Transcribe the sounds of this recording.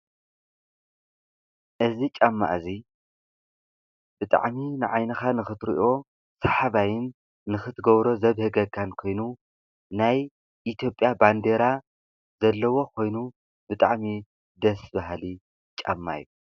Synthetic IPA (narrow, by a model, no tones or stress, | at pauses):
ʔɨzit͡ʃʼamːa̰ʔzi | b̥ɨt̪ʼa̰ʕminɨʕajnɐxanɨxɨt̪ɾḭʔo̞ | sɐħaβajɪnː | ɨxɨt̪ʰɨɡɐβɾo̞zɐβhɨɡɐkʰːankʰo̞jnu | naj | ʔit̪ʰjo̞pʼːjaband̪eɾa | zɐlːɐwo̞kʰo̞jnu | bɨt̪ʼaʕmi | d̪ɐsbaɦli | t͡ʃʼɐ̰mːa̰jːu